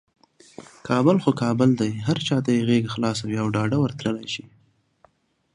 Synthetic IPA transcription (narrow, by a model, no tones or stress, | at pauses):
kʰɑbʊlxokɑbəld̪ajɦaɾt͡ʃɑt̪ajeɣeɡaxlɑsawiawɖɑɖawəɾt̪ɾəlajʃi